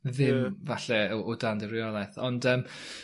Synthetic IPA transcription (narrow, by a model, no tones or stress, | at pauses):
ðɪmvaɬɛʊdandəɾɪɔlˠɛθɔndəːm